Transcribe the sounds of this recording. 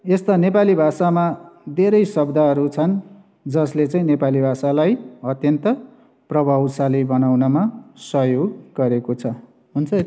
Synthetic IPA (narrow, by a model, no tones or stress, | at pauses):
est̪anepalibʱasamad̪ʱeɾʌjsʌbd̪ʱaɦʌɾut͡sʰʌn | d͡zʌslet͡saĩnepalibʱasalajʌt̪jʌnt̪ʌ | prʌbʱawsalibʌnawnʌmasʌɦjoɡɡʌɾekot͡sʰʌ | ɦunt͡sʰʌ